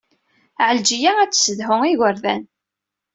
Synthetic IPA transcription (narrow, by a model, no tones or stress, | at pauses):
ʕəld͡ʒijææt͡sːsəðɦʊŋiʝəɾðæ̰n